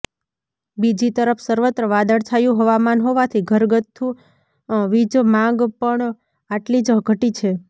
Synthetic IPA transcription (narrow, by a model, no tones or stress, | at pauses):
bid͡ʒit̪əɾəpʰsəɾʋət̪ɾəʋad̪əɾt͡ʃʰajũɦəʋamanɦoʋat̪ʰiɡʱəɾɡət̪ʰːũ | ʋid͡ʒmãɡpəɳ | aʈlid͡ʒəɦɡʱəʈit͡ʃʰe